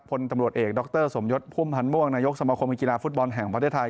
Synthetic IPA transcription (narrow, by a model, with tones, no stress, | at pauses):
pʰo˧nt̪a˧mɾu˨˩ət̪̚ʔeː˨˩k̚dɔ˦˥k̚t̪ɤː˥˩so˩˦mjo˦˥t̪̚pʰuː˥˩˨mpʰa˧nmu˥˩əŋnaː˧jo˦˥k̚sa˧maː˧kʰo˧mki˧laː˧fu˦˥t̪̚bɔ˧nɦɛ˨˩ŋpa˧t̪ʰe˥˩t̪ʰa˧j